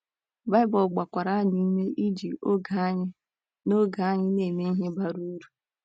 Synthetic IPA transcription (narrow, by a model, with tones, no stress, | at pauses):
ba˦ɪ˦bɔ˨lɡ͡ba˨kʷa˨ɾa˦ɲi˦me˦ʔi˦d͡ʒi˨o˦ɡa˨˦ɲɪ˦ | no˦ɡa˨a˦ɲɪ˦ne˨me˦i˦ɦe˦ba˦ɾu˦ɾu˨